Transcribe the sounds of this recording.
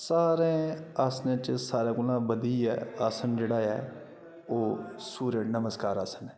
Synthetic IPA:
saːɾẽːaːsnẽːt͡ʃəsaːɾãːkʊlãːbəd̪iːɛ̰ːaːsənd͡ʒeːɽaːɛ̰ː | oːsuːɾənəməskaːɾaːsənɛː

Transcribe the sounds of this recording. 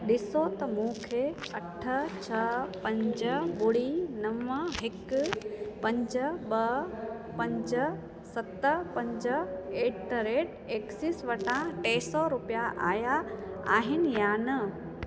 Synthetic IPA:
ɗɪsot̪ɐmũːkʰeɐʈʰət͡ɕʰɐpɐ̃ɲd͡ʑəɓʊɽinɐʋəɦɪk | pɐ̃ɲd͡ʑəɓɐ | pɐ̃ɲd͡ʑə | sɐt̪əpɐ̃ɲd͡ʑəeːʈɾeːʈ | eːksɪsʋɐʈãʈeːsɔɾʊpijaʔa̰ːjaa̰ːɦɪnɪ̆jaːnɐ

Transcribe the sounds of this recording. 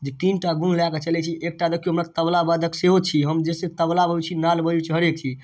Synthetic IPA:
d͡ʒeʈinʈaɡũnlaket͡ʃəlɛt͡ʃʰiʔek̚ʈad̪əkʰːjuɦəmɾat̪əblabad̪ʱəkseɦot͡ʃʰiɦəmd͡ʒeset̪əblabəut͡ʃʰinalbəjut͡ʃəɦəɾekt͡ʃʰi

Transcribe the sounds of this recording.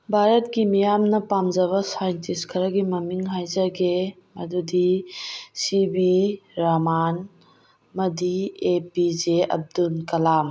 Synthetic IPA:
bʱaɾɐt̚ɡimijamnɐpamd͡ʒɐβɐsajɐntiskʰɐɾɐɡimɐmiŋɦajzɐɡe | mɐdudi | sibiɾaman | mɐdiepid͡ʒeɐ̰b̚dunkɐlam

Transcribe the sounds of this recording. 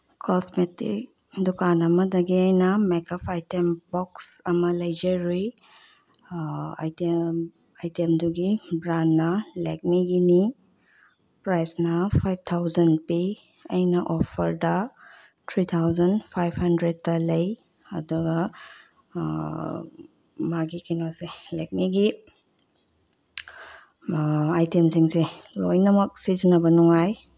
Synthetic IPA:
kʰɔsmetḭk̚ | dukanɐmɐdɐɡiajnɐmekɔpʰajtembɔksɐmɐlɐjd͡ʒeɾij | a̰jte | ajtemduɡibɾanːɐlek̚miɡini | pɾajsnɐpʰajb̚tʰawzɐnpe | ɐjnɐʔɔpʰɐɾdɐ | tʰɾit̪ʰawzɐnpʰajbhɐndɾed̚tːɐlɐj | ɐduɡɐ | maɡikinoselek̚miɡi | ajtemsiŋselojnɐmɐk̚sizinɐbɐnuŋaj

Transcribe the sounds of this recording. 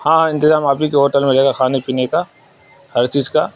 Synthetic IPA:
hãːɪ̃nt̪ɪzaːmaːpnikeɦoːʈəlmẽɾɛɦeːɡakʰaːnepiːneka | hɐɾt͡ʃiːzka

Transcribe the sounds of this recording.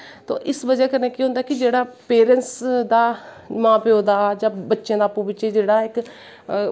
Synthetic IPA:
t̪õ̰ːʔɪsbəd͡ʒɛːkəɾneːkĩːɦʊ̃nd̪aːkɪd͡ʒeːɽaːpeːɾənsd̪aː | mãːpeoːd̪aːd͡ʒãːbətːʃẽːd̪aːpũːbɪt͡ʃeːd͡ʒeːɽaːɪk

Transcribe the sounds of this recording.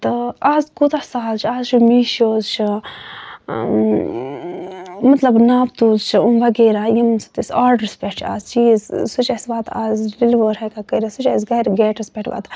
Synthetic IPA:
t̪ɐaːzkut̪asaːlt͡ʃʰaːzt͡ʃʰumiːʃoːzt͡ʃʰi | mɐt̪lɐbnaːbt̪uːzt͡ʃʰiunʋɐɡeːɾajimsɐ̥t̪isaːɾɖəɾspʲeʈt͡ʃʰa̰ːzt͡ʃiːzsut͡ʃɐsʋaːt̪ʰa̰ːzɾilʋəːɾɦɐkakəɾisut͡ʃːsɡɐɾɡeːʈɐspʲeʈʰʋa̰ːt̪

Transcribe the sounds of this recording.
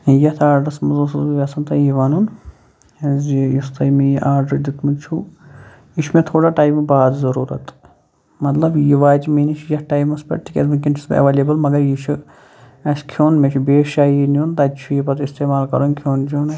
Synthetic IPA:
jɐt̪ʰaːɾɖɐsmɐzoːsɐzʋʲɐsɐnt̪ɐjiʋanun | ɐzjist̪ɐjmejʔaːɾɖɐd̪it̪mɨt͡ʃʰu | jiʃʰumẽt̪ʰoːɽaːʈaːjmbaːd̪zɐɾuːɾɐ̰t̪ | mɐt̪lɐbjiʋaːd͡ʒimeːnit͡ʃʰjɐhʈaːjmɐspʲɐ̰ʈʈʰːikʲḛt̪mɨkʲint͡ʃʰi̥sbɐ̰ʋeːleːbɐlmɐɡɐɾjit͡ʃʰu | ɐskʰoːnmet͡ʃʰubeːʃaːjinunt̪ɐt͡ʃʰujipɐt̪ist̪eːmaːlkɐ̰ɾonkʰjoːnd͡ʒon

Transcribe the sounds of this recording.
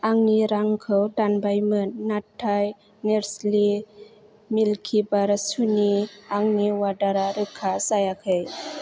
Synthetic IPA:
aŋniɾaŋkʰɯwdanbajmɯnːatʰːaj | neɾsli | milkʰibaɾasuniaŋniwadaɾaɾɯkʰːasajakʰej

